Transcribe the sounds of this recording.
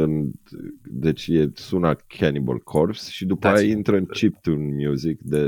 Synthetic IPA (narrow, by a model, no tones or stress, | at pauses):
ɨn | d̪e̞t͡ʃʲjesunakʲʰanibə̰lkʰorpsʃid̪upajaint̪ɾəɨnt͡ʃipt̪unmjuzikd̪e̞